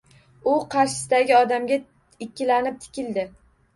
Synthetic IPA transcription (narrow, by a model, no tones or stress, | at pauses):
ʊqʰɑɾʃɪ̥sɪd̪aɡʲɪɒd̪amɡʲa | ɪkʲːɪlanɪp̚t̪ʰɪ̥kʲɪld̪ɪ